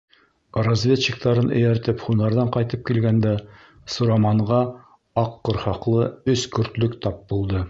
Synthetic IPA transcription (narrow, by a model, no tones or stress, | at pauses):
ɾɐzvʲet̪t͡ɕik̚t̪ɑɾɤnɵ̰̆jæɾt̪ɘpχunɑɾðɑɴqɑjt̪ɤp̚kilɡænd̪æ | sŭɾɑmɑɴʁɑ | ɑqːɤɾχɑqlˠɤɵskɵ̆ɾt̪lɵkt̪ɑp̚bulˠd̪ɤ